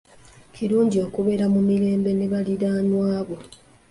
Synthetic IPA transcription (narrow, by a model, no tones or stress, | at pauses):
ciɾuːɲɟio̞kuβe̞ɾamumiɾe̞ːmbene̞βaliɾaːnwaːβo̞